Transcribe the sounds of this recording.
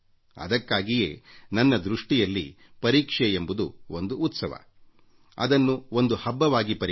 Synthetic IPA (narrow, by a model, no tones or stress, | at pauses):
ɐ̰d̪ɐkːaːɡijeːnɐnːɐd̪ɾuʂʈijɐlːḭ | pɐɾiːkʂeembud̪uond̪uːt̪sɐʋɐ̰ | ɐ̰d̪ɐnːuo̞nd̪uhɐbːɐʋaːɡipɐɾ